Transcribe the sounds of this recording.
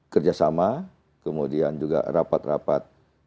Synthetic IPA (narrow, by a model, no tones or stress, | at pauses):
kərd͡ʒasama | kəmudiand͡ʒuɡa̰rapat̪rapat̪̚